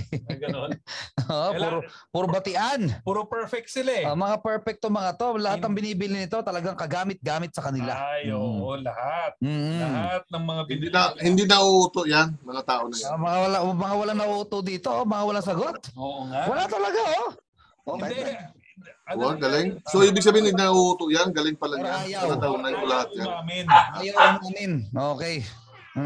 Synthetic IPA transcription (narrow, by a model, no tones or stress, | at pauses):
oʔopuɾpuɾbɐt̪ɪʔanpːɾopɛɹfɛk̚t̪sɪlaomɐŋapɛɹfɛk̚t̪omɐŋat̪o̞lɐhat̪ːɐŋbɪniːbɪlɪnɪt̪o̞t̪ɐlɐɡaŋkɐɡaːmɪt̪̚ɡaːmɪt̪̚sɐkɐnɪlajoɐhat̪̚m̩ːhat̪̚nɐŋmɐŋabɪnd̪id̪hɪnd̪inɐʔuʔut̪oʔjanmɐŋat̪aːʔonɐjamɐŋawɐlamɐŋawɐlaŋnɐʔuʔt̪od̪iːt̪o̞mɐŋawɐlaŋsɐɡo̞t̪̚owɐlat̪ɐlɐɡaʔo | ʔoːkɛ | waɡɐlɪŋsoʔiːbɪɡ̚s̬ɐbɪhɪnɐɡ̚naʔoʔuːt̪oʔjanɡɐlɪŋpɐlaŋjanjamɐŋat̪aʔonɐnkolɐhat̪̚jamɪʔajawɐnaːmɪnʔoːkɛj